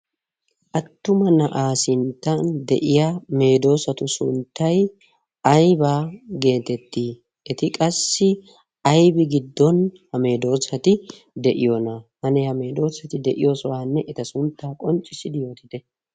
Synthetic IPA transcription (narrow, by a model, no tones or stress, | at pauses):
ʔɐt̪ːʊmɐnɐʔaːsɪnt̪ːɐnd̪ɛ̰ʔɪjame̞ːd̪o̞ːsɐt̪ʊsʊnt̪ːɐj | ɐjbaːɡe̞ːt̪ɛt̪ːiː | ɛt̪ɪkʼɐsːɪ | ɐjbɪɡɪd̪ːɔnhɐme̞ːd̪o̞ːsɐt̪ɪ | d̪ɛʔɪjonɐhɐnɛhɐme̞ːd̪o̞ːsɐt̪ɪd̪ɛʔɪ̰jo̞ːsɔwaːnːɛʔɛt̪ɐsʊnt̪ːaːkʼɔnt͡ʃʼːɪsɪd̪ɪjo̞ːt̪ɪd̪ɛ